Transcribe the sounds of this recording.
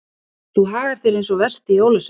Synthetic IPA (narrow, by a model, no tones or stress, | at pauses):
θuɦaːɣaɾ̥θɪɾejnsɔvɛr̥st̪ɪjoːwlʏs